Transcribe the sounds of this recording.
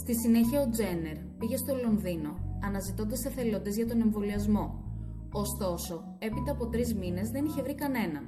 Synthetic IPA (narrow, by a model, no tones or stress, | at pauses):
st̪isine̞çiɐo̞d͡ze̞ne̞ɾpiʝe̞st̪o̞lo̞nðino̞ɐnɐzit̪ond̪ɐseθe̞lo̞nd̪ezʝɐt̪o̞ne̞ɱvo̞liɐzmo̞ː | st̪o̞so̞ | e̞pit̪ɐːpo̞t̪ɾizmine̞zðe̞niçe̞vɾikɐne̞nɐ